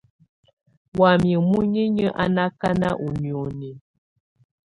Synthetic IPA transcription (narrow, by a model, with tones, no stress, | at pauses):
wa˨mjə˨mu˦ɲe˦ɲə˦ʔa˦na˦ka˦na˦ʔu˨njo˨ne˨